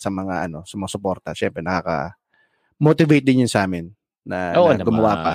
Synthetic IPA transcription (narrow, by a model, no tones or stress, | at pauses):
sɐmɐŋaʔɐno̞sʊmɐosʊpo̞ɾt̪ɐʃɛmpɾɛnɐkaːkɐ̰ | mot̪ɪvɛjt̪̚d̪ɪnjʊnsɐʔaːmɪnː | ɐɡʊmɐwapɐ̰